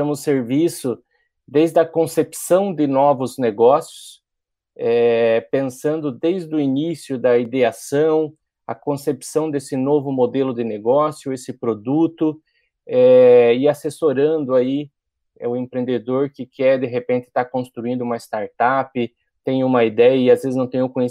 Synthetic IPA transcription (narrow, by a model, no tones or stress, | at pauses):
ɐ̃mʊseɾvisʊ | d̪ejzd̪ɐkõsepsɐ̃w̃d̪ɪnɔvʊzneɡɔsjʊs | ɛpẽsɐ̃nd̪ʊd̪ejzd̪ʊinisjʊd̪ɐid̪easɐ̃w̃ | ɐ̰kõsepsɐ̃w̃d̪esɪnovʊmod̪elʊd̪ɪneɡɔsjʊesɪpɾod̪ut̪ʊ | ɛɪasesoɾɐ̃nd̪ʊai | ɛʊẽmpɾẽnd̪ed̪oɾkɪkɛɾd̪eɦepẽnt̪ɪ̥t̪akõst̪ɾuĩnd̪ʊumɐɪst̪aɾt̪apɪ | t̪ẽj̃ũmɐid̪ɛjɐɪazvezɪznɐ̃w̃t̪ẽj̃ekõje